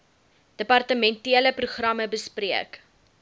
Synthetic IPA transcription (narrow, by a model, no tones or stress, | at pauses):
d̥əpɐrtəmɛntiələpruχrɐməbəspriək